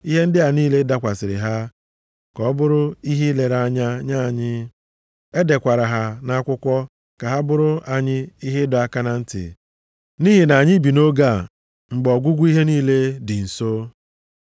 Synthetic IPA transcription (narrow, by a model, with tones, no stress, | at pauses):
i˦ɦe˦n̩˦dɪ˦ɦa˨niː˦le˦da˦kʷa˨sɪ˨ɾɪ̰˨ɦa˦ | kɔ˨˦bʊ˦ɾʊ˦i˦ɦi˦le˨ɾa˦ɲa˦ɲa˦˨ɲɪ˦ | e˦de˨kʷa˨ɾa˨ɦa˨na˦a˦kʷʊ˦kʷɔ˦ | ka˨ɦa˦bʊ˦ɾʊ˦a˨ɲɪ˦i˦ɦɪ˦dɔ˨˦a˦ka˦na˦n̩˦tɪ̰˨ | ni˦ɦi˨na˨ɲɪ˦bi˨no˦ɡa˦˨ | ŋ͡m̩˨ɡ͡bɔ˨ɡʷʊ˦ɡʷu˦i˦ɦe˦niː˦le˦dɪ˨n̩˨so˦